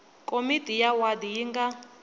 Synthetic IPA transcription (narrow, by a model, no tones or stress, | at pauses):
kʼomitʼijawad̪ijiŋɡa